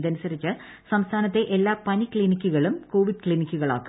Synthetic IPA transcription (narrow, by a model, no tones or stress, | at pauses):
d̪ɐnusɐɾit͡ɕːɨ | sɐmst̪ʰaːnɐt̪ːe̞ʔelːaːpɐnikɭinikʲːuɣɐɭumko̞ːʋiɖ̚kɭinikʲːuɣɐɭa̰ːkːu